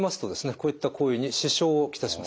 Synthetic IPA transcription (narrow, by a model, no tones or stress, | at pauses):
masɨ̥t̪o̞d̪e̞sɨne̞ko̞ːit̪ːakʰo̞ːjɯ̟ɲ̟iɕiɕo̞ːkʲi̥t̪aɕimas